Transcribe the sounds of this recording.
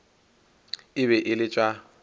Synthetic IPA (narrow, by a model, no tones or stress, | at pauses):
ɪβɛʔɪlɪt͡ʃʼwa